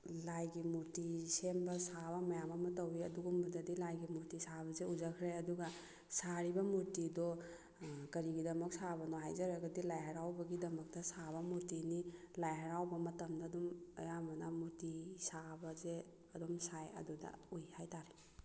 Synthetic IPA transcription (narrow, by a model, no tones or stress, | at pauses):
lajɡimuɾtisembɐsaβɐmɐjamɐmɐtɐwiɐduɡumbɐdɐdilajɡimuɾtisabɐzeuzakʰɾajɐduɡɐ | saɾibɐmuɾtidɔ | kɐɾiɡidɐmɐk̚sabɐnɔɦajzaɾaɡɐdilajɦɐɾawbɐɡidɐmɐk̚dɐsaβɐmuɾtini | lajɦɐɾawbɐmɐtɐmdadumɐjamɐnamuɾtisabɐze | ɐdɔmsajɐ̰dudɐ̰ujhajtaɾi